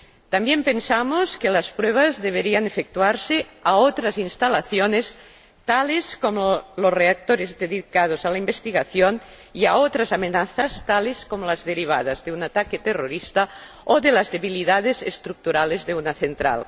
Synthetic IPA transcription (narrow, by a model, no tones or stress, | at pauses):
t̪ambjempensamoskelaspɾweβ̞azðeβ̞eɾianefek̚t̪uaɾseaot̪ɾazinst̪alaθjones | t̪aleskomolosreak̚t̪oɾezðeðikað̞ozalaimbest̪iɣaθjon | iaot̪ɾasamenaθast̪aleskomolazðeɾiβ̞a̰ðazðeunat̪aket̪eroɾist̪a | oðelazðeβiliðað̞ezḛst̪ɾuk̚t̪uɾalezðeunaθent̪ɾa̰l